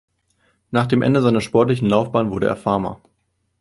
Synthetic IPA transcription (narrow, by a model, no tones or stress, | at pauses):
naːχd̥eːmʔɛ̰ndəzaɪnɐʃpɔɐtlɪçn̩laʊfb̥aːnvʊɐɾəʔḛːɐfaɐmɐ̰